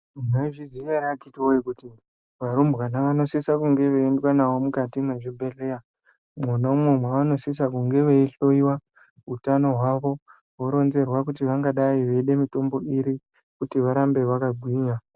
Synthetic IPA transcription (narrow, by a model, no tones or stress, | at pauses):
naʐiziʋeɾat͡ʃitiojikuti | ʋaɾumbkanaʋano̞sisakuŋɡe̞ʋeːndwanaʋo̞mukatimweʐibʱe̞ɮe̞ja | munaumemwaano̞sis̬akuŋɡe̞ʋeiɬo̞iwa | utano̞ɦwaʋo̞ | woɾo̞nze̞rwakutiʋaŋɡaɗaiʋe̞ɗe̞mito̞mbo̞iɾi | kutiʋaɾambe̞ʋakaɡʱwiːɲa